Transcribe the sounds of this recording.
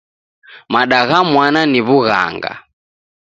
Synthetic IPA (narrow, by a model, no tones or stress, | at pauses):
maɗaɣamwananiβuɣa̰ŋɡa̰